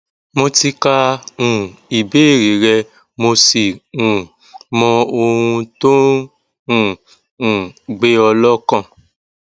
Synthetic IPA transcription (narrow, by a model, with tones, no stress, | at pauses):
mo˧ti˧ka˧ũ˨i˨be˨˦e˦˨ɾe˨˦ɾɛ˧ | mo˧si˨ũ˨ | mɔ̃˧o˧hũ˧to˦ | ũ˦˨ | ũ˨ɡ͡be˦ɔ˧lɔ˦kã˦˨